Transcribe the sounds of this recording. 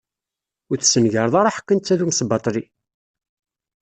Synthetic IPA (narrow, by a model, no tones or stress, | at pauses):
ʊɾθsənʝəɾˤðˤɑɾˤɑħə̥kːənt̪ːæðumsbɑt̪ˤɾi